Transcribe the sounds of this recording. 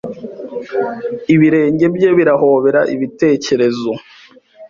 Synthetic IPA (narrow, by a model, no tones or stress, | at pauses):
iβiɾe̞ːɲɟe̞bje̞βiɾahoːβe̞ɾaʔiβite̞ːce̞ɾe̞zo̞